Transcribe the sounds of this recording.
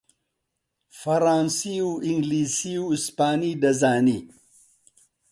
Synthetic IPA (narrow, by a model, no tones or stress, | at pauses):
fɐɾaːnsiuiŋɡliːsiuispaːnid̪ɐzaːni